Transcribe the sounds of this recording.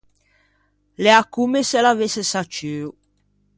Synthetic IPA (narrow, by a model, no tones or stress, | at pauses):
leakumeselavesesat͡ʃøːu